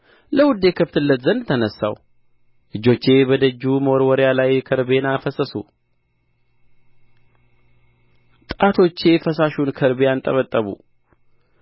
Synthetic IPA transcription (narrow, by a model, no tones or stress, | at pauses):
ləwʊd̪ːe̞kʰəft̪ɨlːət̪zənt̪ʰənəsːa̰w | ʔɨd͡ʒːo̞t͡ʃːe̞bəd̪əd͡ʒːuməwɔɾwɔɾjalajkʰəɾbe̞nafəsəsṵ | t̪ʼat̪ʰo̞t͡ʃːe̞fəsaʃunkʰəɾbeant̪ʼə̰βət̪ʼːəβṵ